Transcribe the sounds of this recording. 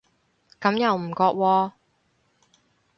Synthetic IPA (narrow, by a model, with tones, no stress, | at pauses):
kɐ˨˥mjɐ˨wm̩˨˩kɔː˧k̚wɔː˧